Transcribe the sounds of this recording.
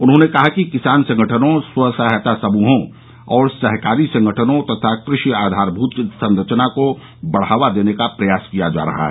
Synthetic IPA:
ʊnɦõnekɐɦakikɪsaːnsɐ̃ŋɡəʈʰənõswɐsaɦət̪asɐmuːɦõ | ɔːɾsɐɦkaːɾisɐ̃ŋɡəʈʰənõt̪ɐt̪ʰakɾɪʃiaːd̪ʱaːɾbʱuːt̪sɐ̃nɾət͡ʃnako | bɐɽ̤aːʋad̪eːnekapɾɐjaːskijad͡ʒa̰ːɾɐ̰ɦa̰ɦɛ

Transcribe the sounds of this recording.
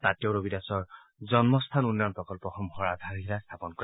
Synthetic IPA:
tatowɹobidasɔɹ | zɔnmɔst̪ʰanunːɔnpɹɔkɔlpɔxɔmhɔɹad̪ʱaɹɦiɾast̪ʰapɔnkɔ

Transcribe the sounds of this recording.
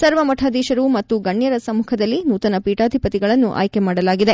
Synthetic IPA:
sɐɾʋɐmɐʈʰaːd̪iːʃɐɾumɐt̪ːuɡɐɳːjɐɾɐsɐmuːkʰɐd̪ɐlːinuːt̪ɐnɐpiːʈaːd̪ʱipɐt̪iɡɐɭɐnːuʔa̰ːjkemaːɽɐlaːɡid̪e̞

